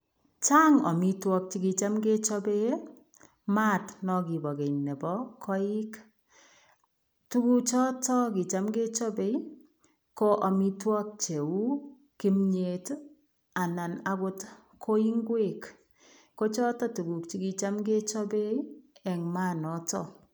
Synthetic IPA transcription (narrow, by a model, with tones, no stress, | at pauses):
t͡ʃa˦ŋɔ̰˨mi˦twɔ˦k̚t͡ʃi˦ki˨t͡ʃa˦mɡe˦t͡ʃɔ˦be˦ | ma˦tnɔ˨ki˨bɔ˨ke˨ɲnɛ˨bɔ˦kʰɔ˦i˦k | tu˦ku˦t͡ʃɔ˦tɔ˦ki˨t͡ʃa˦mɡe˦t͡ʃɔ˦be˦j | kɔ˦ʔɔ˨mi˦twɔ˦k̚t͡ʃe˨u˦ | ki˦mɲe˨t | a˨na˨na˨kʊ˦t | kʰo˦i˦ŋɡwe˦˨k | ko˦t͡ʃɔ˦tɔ˦tu˨ku˨k̚t͡ʃi˦ki˨t͡ʃa˦mɡe˦t͡ʃɔ˦be˦iɛ˨ŋma˦nɔ˦tɔ˦